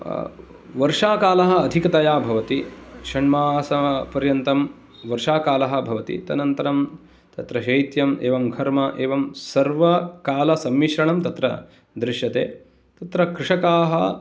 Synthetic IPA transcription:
ʋɐɾʂaːkaːlɐɦɐ̆ːd̪ʱikɐt̪ɐjaːbʱɐʋɐt̪iʂɐɳmaːsɐpɐɾjɐnt̪ɐm | ʋɐɾʂaːkaːlɐɦɐ̆bʱɐʋɐt̪ḭt̪ɐnɐnt̪ɐɾɐm | t̪ɐt̪ɾɐɦejt̪jɐmeːʋɐmɡʱɐɾmɐʔeːʋɐmsɐɾʋɐkaːlɐsɐmʋiʃɾɐɳɐmt̪ɐt̪ɾɐ̰ | d̪ɾɪʃjɐt̪ḛː | t̪ɐt̪ɾɐkɾɪʂɐkaːɦɐ

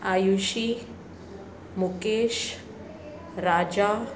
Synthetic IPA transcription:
ajuʃi | mukeʃ | ɾad͡ʑa

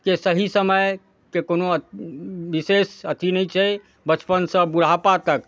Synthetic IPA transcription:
kesəɦisəməj | kekonoəbisesət̪ʰinɛjt͡ʃʰɛ | bət͡ʃpənsə̃buɽ̤apat̪ək

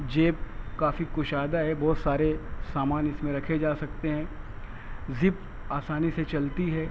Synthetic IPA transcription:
d͡ʒeːp̚kaːfikʊʃaːd̪aɦɛbɔːt̪saːɾesaːmaːnɪsmẽɾɐkʰed͡ʒaːsɐkt̪eɦɛ̃ː | zɪp | aːsaːniset͡ʃɐlt̪iɦɛː

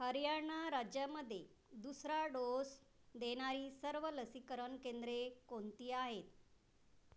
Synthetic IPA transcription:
həɾijaɾɳaɾad͡ʑjaməd̪ʱːje | d̪usɾaɖos | d̪eɽ̃aɾiːsəɾʋələsikəɾəɳkend̪ɾekont̪iːaɦet̪̚

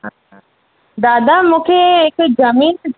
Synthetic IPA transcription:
ɦã | d̪aːd̪amũːkʰeɪkzɐmiːnt̪

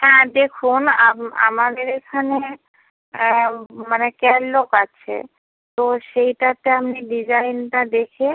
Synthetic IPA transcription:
ɦɛ̃d̪ekʰunaa̰mad̪eɾekʰane | manekɛlːokat͡ɕʰḛ | t̪oʃejʈat̪eamniɖid͡ʑajnʈad̪ekʰe

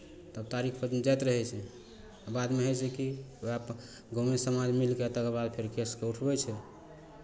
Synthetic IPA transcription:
t̪əbt̪aɾikʰpəd͡ʒmed͡ʒajt̪ɾəɦɛt͡ʃʰɛ | bad̪meɦojt͡ʃʰɛkioap | ɡomesəmad͡ʒmilkeət̪əkebad̪̚pʰeɾkeskeuʈʰbɛt͡ʃʰɛ

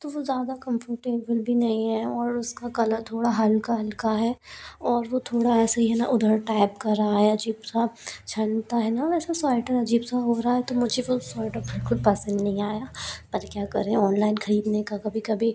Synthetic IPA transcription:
t̪oʋozjaːd̪akɐ̃mfəɾʈeːbəlbʱinɐɦĩɦɛɔːɾʊskakɐləɾt̪ʰoːɽaɦɐlkaɦɐlkaɦɛːɔːɾʋot̪ʰoːɽaɛːsaɦiɦɛna̰ʔʊd̪ʱəɾʈaːɪp̚kɐɾaaːjad͡ʒiːbsat͡ʃʰɐɳt̪aɦɛnaʋɛːsasaːɪʈəɾɐd͡ʒiːbsaɦoːɾaɦaɦɛt̪omʊd͡ʒʱeʋosɔːɪʈəɾbɪlkʊlpɐsə̃nd̪nɐ̃ɦĩaːjapɐɾkjaːkɐɾẽɔːnlaːɪnxʰɐɾiːd̪nekakɐbʱikɐbʱi

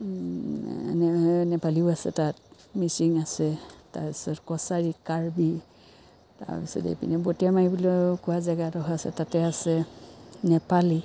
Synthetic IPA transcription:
nɛnɛpaliʊasɛ̰tat̚ | misiŋasɛta̰ɹpisɔtkɔsaɹikaɹbi | ta̰ɹpisɔ̰tḛpḭnɛbotijamaibilɔkʊwazɛɡatɔɦɔasɛ̰tatɛasɛnɛpali

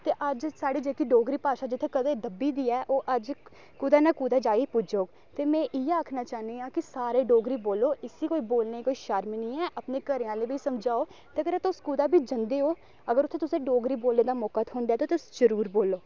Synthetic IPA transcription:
t̪eːʔəd͡ʒsaːɽiːd͡ʒeːkiːɖoːɡɾiːpaːʃaːd͡ʒɪt̪ʰːeːkəd̪eːd̪əbiːd̪iːɛːʔoːʔəd͡ʒ | kuːd̪aːnãːkuːd̪aːd͡ʒaːipʊd͡ʒoː | t̪eːmɛ̃ːʔiːaːkʰnaːt͡ʃaːnd̪eːãːkɪsaːɾeːɖoːɡɾiːboːloːʔɪsiːkoːiːboːlneːkoːiːʃəɾmnĩːɛːʔəpneːkəɾeãːleːbiːsəmd͡ʒaːoː | t̪eːəɡəɾt̪ʊskuːd̪aːbʱiːd͡ʒənd̪eːoː | əɡəɾʊt̪ʰẽːt̪ʊsẽːɖoːɡɾiːboːlneːd̪aːmɔːkaːt̪ɦʊ̃ːnd̪jaːt̪oːt̪ʊsd͡ʒəɾuːɾboːlːoː

